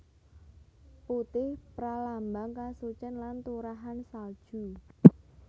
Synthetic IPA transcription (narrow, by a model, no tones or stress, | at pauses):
put̪ɪhpɾalambaŋkasut͡ʃənlant̪uɾaɦansald̥ʒ̥u